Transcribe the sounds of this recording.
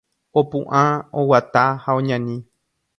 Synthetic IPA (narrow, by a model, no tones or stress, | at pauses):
opṵ̃ʔãowat̪ahaõɲãnĩ